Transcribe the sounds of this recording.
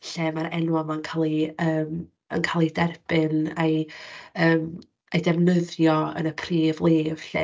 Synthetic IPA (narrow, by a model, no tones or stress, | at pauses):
ɬeːmaɾɛnwɔmankʰalˠiəːm | ə̰nkʰalˠidɛrb̥ɨnajəːm | edɛvnəðjɔə̰nəpʰriːvlˠeːv̥ɬḛ